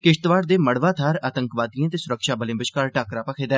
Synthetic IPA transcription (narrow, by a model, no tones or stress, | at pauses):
kɪʃt̪ʋaːɾd̪eːməɽʋaːt̪ʰaːɾaːt̪əŋkʋaːd̪ijãːt̪eːsʊɾəkʃaːbəlẽːbəʃkaːɾʈaːkɾaːpaːkʰeːd̪ɛː